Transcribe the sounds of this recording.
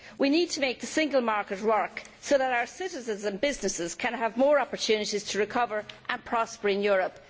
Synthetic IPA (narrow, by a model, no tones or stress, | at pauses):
winid̚tʰəmeɪk̚ðəsɪ̃ŋɡəlˠmaɹkət̚wɜ˞ksoʊðəɾaʊə˞sɪɾɪzə̃nzə̃nbɪznɪsɪz̥kʰə̃nəvmɔːɹɑpəɹtʰʉnɪɾiz̥tʰəɹɪkʰʌvəɹʔə̃npʰɹ̥ɑspəɹɪ̃njɔɹəp